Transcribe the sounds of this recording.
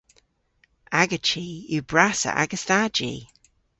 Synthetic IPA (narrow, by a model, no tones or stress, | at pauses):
ʔaɡət͡ʃiʉbɹasə̰ʔa̰ɡəstad͡ʒḭ